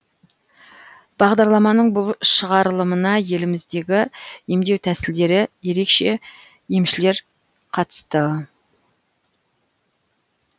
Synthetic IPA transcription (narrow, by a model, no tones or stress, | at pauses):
b̥ɑʁd̪ɑɾlˠɑmɑnəɴbʊlˠʃəʁɑɾlˠəmənɑje̞lɪmɪzd̪e̞ɡʲɪje̞md̪e̞wt̪ʰæsɪld̪e̞ɾɪje̞ɾe̞kʃe̞ | jemʃɪle̞ɾ | qʰɑt̪ə̥st̪ə